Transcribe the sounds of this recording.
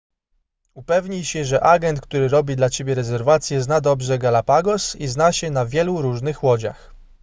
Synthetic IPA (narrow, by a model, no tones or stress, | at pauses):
upɛvɲijɕɛʐɛʔaɡɛnt̪̚k̚t̪uɾɘɾɔbʲid̪lat͡ɕebʲjɛɾɛzɛɾvat̪sʲjɛznad̪ɔbʐɛɡalapaɡɔsiznaɕɛnavʲjɛluɾuʐnɘxwɔd͡ʑa̰x